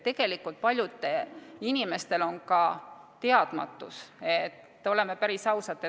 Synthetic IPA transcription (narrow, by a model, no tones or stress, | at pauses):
t̪e̞ɡ̥e̞likult̪̚pɑlʲjud̪ːˑeinime̞st̪e̞lo̞nkɑt̪e̞ɑd̪̥mɑ̰t̪ːˑuset̪ːo̞le̞mepæɾisɑwsɑt̪ːˑe